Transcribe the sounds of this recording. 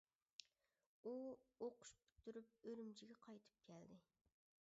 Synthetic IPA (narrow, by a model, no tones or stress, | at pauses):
uoqʊ̥ʃpy̥t̪ːyɾyp̚øɾymt͡ʃʰɪɡʲɛqʰɑjt̪ʰɨ̥p̚kʲʰɛld̪ɪ